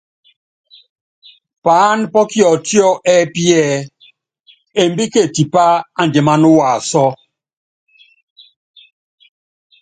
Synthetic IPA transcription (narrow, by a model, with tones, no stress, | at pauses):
paː˨˦npɔ˦kjɔ˨ti˦ɔ˦ʔɛ˦pi˦ɛ˦˨ | e˨mbi˦ke˦˨ti˨pa˦a˦˨n˨de˨ma˦nu˦wa˨sɔ˦